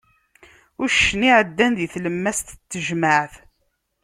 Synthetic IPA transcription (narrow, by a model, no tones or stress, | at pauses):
ʊɾʃəniʕəd̪ːænðiθləmːæst̪t͡s̪ːəʒməʕθ